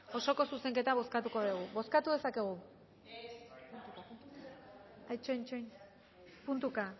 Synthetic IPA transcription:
o̞so̞ko̞suse̞ŋke̞t̪aβ̞o̞skat̪uko̞ðiɣ̞uβo̞skat̪uðe̞sake̞ɣ̞u | t̪u | ajt͡ʃont͡ʃon | punt̪uka

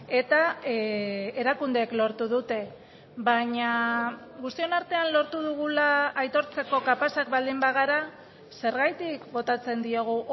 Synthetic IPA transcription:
e̞t̪a | eɾakund̪e̞ːklo̞ɾt̪uðut̪e̞ | βaɲa | ɣust̪io̞naɾt̪e̞anlo̞ɾt̪uðuɣ̞ulaːjt̪o̞ɾt͡se̞ko̞kapasak̚bald̪imbaɣ̞aɾa | se̞ɾɣajt̪ikbo̞t̪at͡se̞nd̪ioɣ̞uʔ

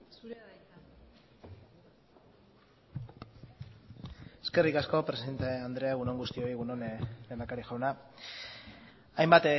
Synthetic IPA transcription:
eske̞rikasko̞pɾe̞siðe̞nt̪eand̪ɾe̞aɣuno̞ŋɡust̪io̞iɣunonle̞ːnd̪akaɾiʝawna | ajmbat̪

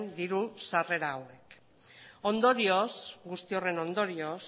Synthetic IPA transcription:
nd̪iɾusare̞ɾaːwe̞k | o̞nd̪o̞ɾio̞sɡust̪io̞re̞no̞nd̪o̞ɾio̞s

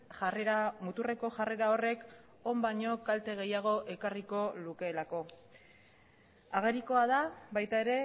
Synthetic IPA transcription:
eamut̪ure̞ko̞ʝare̞ɾao̞re̞k | o̞mbaɲo̞kalt̪e̞ɣ̞e̞jaɣ̞o̞ʔe̞kariko̞luke̞ːlako̞ | aɣ̞e̞ɾiko̞aðaβajt̪ae̞ɾe̞

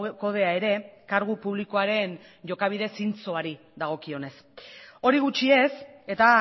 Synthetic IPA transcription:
ko̞ð̞e̞ae̞ɾe̞kaɾɣ̞upuβliko̞aɾe̞n | ʝo̞kaβ̞ið̞e̞sint͡soaɾi | ðaɣ̞o̞kio̞ne̞s | o̞ɾiɣ̞ut͡ʃie̞se̞t̪a

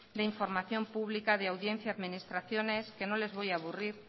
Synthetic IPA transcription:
d̪eiɱfoɾmaθjompuβlikaðeawðjen̟θjaaðminist̪ɾaθjoneskenõlezβojaβ̞uriɾ

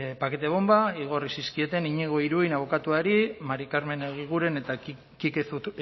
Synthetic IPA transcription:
pake̞t̪e̞βo̞mbaiɣ̞o̞risiskie̞t̪e̞niɲiɣ̞o̞iɾujnaβokat̪uaɾimaɾikaɾme̞neɣiɣ̞uɾe̞net̪a | kikeu

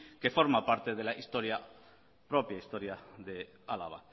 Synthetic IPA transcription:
kefo̞ɾmapaɾt̪e̞ðelaist̪oɾja | pɾopjaist̪oɾjaðe | ala̰βa̰

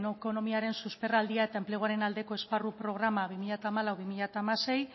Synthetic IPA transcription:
noko̞no̞miaɾe̞nsuspe̞rald̪iae̞t̪aempleuaɾe̞nald̪e̞ko̞e̞sparupɾo̞ɣ̞ɾamaβimiʎat̪aːmalawβimiʎat̪aːmase̞j

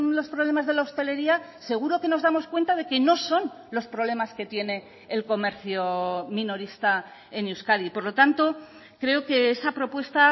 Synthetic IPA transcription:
lo̞spɾoβle̞mazð̞e̞laost̪e̞le̞ɾiase̞ɣ̞uɾo̞ke̞no̞zðamo̞skwe̞nt̪að̞e̞ke̞no̞so̞n | lo̞spɾo̞βle̞maske̞t̪je̞ne̞ː | lko̞me̞ɾθjomĩno̞ɾist̪a | e̞newskaðipo̞ɾlo̞t̪ant̪o̞ | kɾe̞oke̞esapɾo̞pwe̞st̪a

